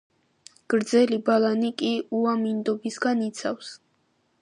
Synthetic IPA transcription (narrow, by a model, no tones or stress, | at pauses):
ɡ̥ɾd̪zɛlibalˠanikʼiuamind̪ɔbisɡanit̪sʰafs